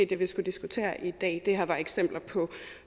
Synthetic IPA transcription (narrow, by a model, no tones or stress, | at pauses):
ed̥eʋisɡ̥ud̥isɡ̥ut͡sʰe̝̰ːɐʔid̥ɛ̰ːd̥e̝ɦæɐʋɑeɡ̥sem̰b̥lɐpʰɒ̽